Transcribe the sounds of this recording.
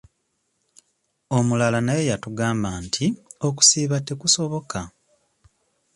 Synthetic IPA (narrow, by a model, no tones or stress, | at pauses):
o̞mulalanaje̞jatuɡaːmbaːntʰio̞k̬u̥siːβatːe̞kuso̞βo̞ka